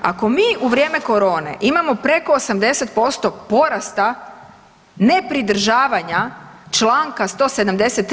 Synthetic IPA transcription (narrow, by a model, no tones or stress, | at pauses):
a̰ko̞miːʔuʋɾʲje̞ːme̞ko̞ɾo̞ːne̞̰ʔimamo̞pɾe̞ko̞ːsamd̪e̞se̞t̪̚po̞st̪o̞po̞ɾast̪a | ne̞pɾid̪ɾ̩ʒaːʋaɲat͡ʃlˠaːŋkast̪o̞ːse̞d̪amd̪e̞set̪ː